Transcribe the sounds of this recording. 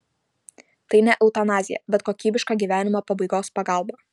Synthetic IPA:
t̪ɐɪnʲɛʔɛʊt̪ɐnɑːzʲɪjɛ̰bʲɛt̪̚koːkʲiːbʲɪʃkɑːɡʲiːʋʲæːnʲɪmoːpɐbɐɪɡoːspɐɡɑˑlˠbɑː

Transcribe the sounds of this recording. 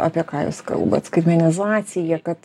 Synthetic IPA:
ɑ̰pʲiɛkɑːjʊ̰skɐ̰lˠbɐ̰t̪skɾʲmʲɛnʲɪzɑːt̪sʲɪjɛkɐt̪

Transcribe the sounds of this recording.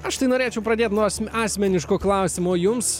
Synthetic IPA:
ɐʃt̪ɐɪnoːɾʲeːt͡ʃʲɛʊpɾɐd̪ʲeːt̪nuːsʲɑːsʲmʲɛnʲɪʃkoːklˠɐʊsʲɪmoːjʊms

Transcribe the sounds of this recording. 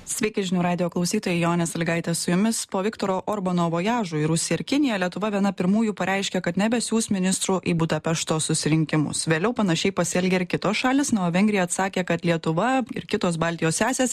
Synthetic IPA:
sʲʋʲɛɪkʲɛʒʲɪnʲuːɾɑːd̪ʲɪjoːklˠɐɒʊsʲiːt̪oːjɛɪjoːnʲɛsɐlʲɡɐɪt̪ʲɛsʊjʊmʲɪspoːʋʲɪkt̪oːɾoːʔoɾbɐnoːʋoːjɑːʒuːiɪɾʊsʲɪjɛɪɾkʲɪnʲɪjɛlʲiɛt̪ʊʋɐʋʲiɛnɐpʲɪɾmuːjuːpɐɾʲʔɛɪʃʲkʲɛkɐt̪nʲɛbʲɛsʲjuːsmʲɪnʲɪst̪ɾuʔɪbud̪ɐpʲɛʃt̪oːssʊsʲɪɾʲɪŋʲkʲɪmʊ̰sʋʲeːlʲɛʊpɐnɐʃʲɛɪpɐsʲɪɛlʲɡʲɛɪɾkʲɪt̪oːsʃɑːlʲeːsnuɐʋʲɛŋʲɡʲɾʲɪjɛɐt̪sɑːkʲeːkɐt̪lʲiɛt̪ʊʋɐɪ̰ɾkʲɪt̪oːsbɑːlʲt̪ʲɪjoːssʲæːsʲeːs

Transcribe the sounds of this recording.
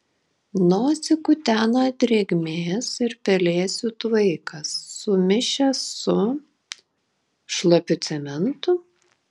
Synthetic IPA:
noːt̪sʲɪkʊt̪ʲæːnɐt̪ʲɾʲeɡʲmʲeːsɪɾpʲɛlʲeːsʲut̪ʋɐɪkɐsːʊmʲɪʃʲɛsːʊ | ʃlˠɐpʲʊt̪sʲɛmʲɛnt̪ʊ

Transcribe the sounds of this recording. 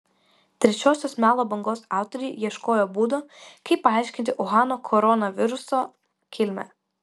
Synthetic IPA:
t̪ʲɾʲɛt͡ʃʲoːsʲoːsmʲæːlˠoːbɐŋɡoːsɑˑʊt̪ɔɾʲɛːjiɛʃkoːjoːbuːd̪oːkɐɪpːɐɑˑɪʃʲkʲɪnʲt̪ʲɪʔʊɣɑːnoːkʰɔɾɔnɐʋʲɪɾʊsoː | kʲɪlʲmʲɛ̰

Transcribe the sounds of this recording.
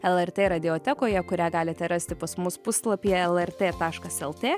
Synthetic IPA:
ɛlˠɛrt̪ʲeːɾɐd̪ʲɪoːt̪ʲɛkoːjɛkʊɾʲæːɡɑːlʲɪt̪ʲɛɾɑsʲt̪ʲɪpɐsmʊspʊslˠɐpʲijɛɛlˠɛrt̪ʲeːt̪ɑːʃkɐsɛlˠt̪ʲeː

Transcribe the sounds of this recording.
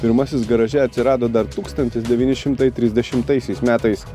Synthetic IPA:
pʲɪɾmɐsʲɪsɡɐɾɐʒʲɛɐt̪ʲsʲɪɾɑːd̪oːd̪ɐɾt̪uːkst̪ɐnʲt̪ʲɪsd̪ʲɛʋʲiːnʲɪʃʲɪmt̪ɐɪt̪ʲɾʲɪzʲd̪ʲɛʃʲɪmt̪ɐɪsʲɛɪsmʲæːt̪ɐɪs

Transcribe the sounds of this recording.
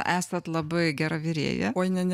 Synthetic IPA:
ʔæːsɐt̪lˠɐbɐɪɡʲæːɾɑʋʲɪɾʲḛːjɛ̰oːnʲɛnʲ

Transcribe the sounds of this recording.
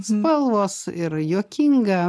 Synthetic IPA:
spɐlˠʋoːsɪɾjoːkʲɪŋɡɐ

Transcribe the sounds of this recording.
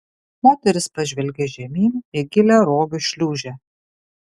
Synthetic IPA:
moːt̪ʲɛɾʲɪspɐʒʲʋʲɛlʲɡʲɛʒʲɛmʲiːnɪɡʲɪlʲɛɾoːɡʲʊʃʲlʲuːʒʲɛ

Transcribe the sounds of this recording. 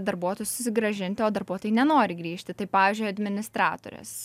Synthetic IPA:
d̪ɐɾbuɔt̪oːjʊsʊsʲɪɡɾɐʒʲɪnʲt̪ʲɪoːd̪ɐɾbuɔt̪oːjɪnʲɛnoːɾʲɪɡɾʲiːʃʲt̪ʲɪt̪ɐɪpɑːʋʲiːzʲd͡ʒʲʊjɐd̪ʲmʲɪnʲɪst̪ɾɑːt̪o̰ːɾʲɛ̰s

